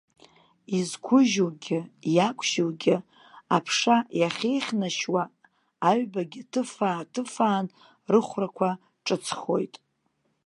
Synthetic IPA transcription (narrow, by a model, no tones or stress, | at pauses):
izkʷʰʊʒulɡʲɪjakʷʰʃɪlɡʲɪ | apʰʂajaχʲe̞jχʲnaʃwaː | ɥbaɡʲɪtʰɨfaːtʰɨfaːn | rɨχʷrakʷʰa | ʈ͡ʂʼɨt͡sʰχo̞̰jtʼ